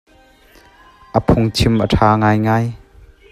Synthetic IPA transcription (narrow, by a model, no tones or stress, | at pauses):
ʔəpʰʊŋt͡ʃʰimʔəʈʰaːŋaːjŋaːj